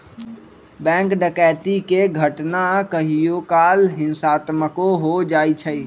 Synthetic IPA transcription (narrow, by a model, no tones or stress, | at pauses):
bɛ̃ːŋkɖəkɛːt̪ikeɡʱəʈnakəɦijokaːlɦɪ̃nsaːt̪məkoɦod͡ʒaːit͡ʃʰəi